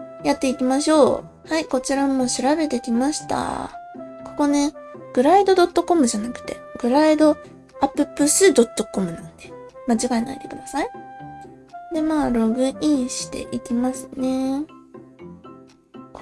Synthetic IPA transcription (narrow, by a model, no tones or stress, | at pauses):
jat̪ːe̞ikʲimaɕo̞ː | haiko̞t͡ɕiɾamo̞ːɕiɾabe̞t̪e̞kʲimaɕi̥t̪a̰ | ko̞̥ko̞ne̞ɡ̥ɯ̟ɾaid̪o̞d̪o̞t̪ːo̞ko̞mɯ̟ʑanakɯ̟̥t̪e̞̰ɡɯ̟ɾaid̪o̞ | apːɯ̟pːɯ̟sɨd̪o̞t̪ːo̞ko̞mɯ̟nãnd̪̥e̞mat͡ɕiɡaĩna̰id̪e̞kɯ̟d̪asai | d̪e̞maːɾo̞ɡɯ̟ĩɰ̃ɕi̥t̪e̞̰ʔikʲimasɨ̥ne̞